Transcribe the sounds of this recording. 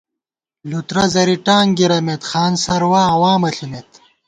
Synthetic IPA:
lut̪ɾɐzɐɾiʈaːŋɡiɾɐmet̪xaːnsɐɾwaːwaːmɐɬunet̪

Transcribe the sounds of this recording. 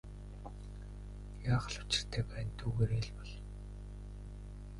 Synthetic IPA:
jaːχə̆ɮʊ̥t͡ɕɪ̆r̥t̪ʰeːpæːnt̪ʰuːɣeːɾeːɮpɔɮ

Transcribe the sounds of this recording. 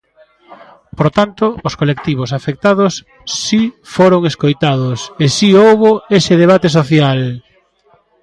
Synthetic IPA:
poɾt̪ant̪oːskolek̚t̪iβ̞osafek̚t̪aðosː | ifoɾoŋeskojt̪aðʊsesiowβoesɪðeβ̞at̪es̬oθjal

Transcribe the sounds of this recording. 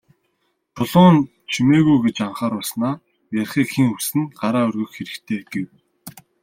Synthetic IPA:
t̪ʰʊɮʁʊːn | t͡ɕʰimeːɣujɡet͡ɕaɴχaːɾʊɮsnaː | jarʲχiːkxiŋusɘ̆nɢaɾaːɵrɣɵ̆xxeɾɘ̆kt̪ʰeːɡ̥ew

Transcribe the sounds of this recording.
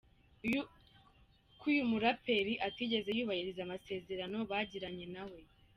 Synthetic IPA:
kujumuɾape̞ɾiʔatiːɟe̞ze̞juːβahiɾizamase̞ːze̞ɾano̞βaːɟiɾaɲe̞nawe̞

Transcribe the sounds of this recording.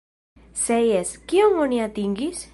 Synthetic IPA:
sejeskioŋoniat̪iŋɡis

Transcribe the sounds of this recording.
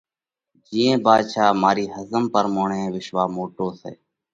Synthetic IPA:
d͡ʒiːẽːbaːd̪ʃaːmaːɾiːɦəzəmpəɾmoːɳẽːʋɪʃʋaːmoːʈoːsḛː

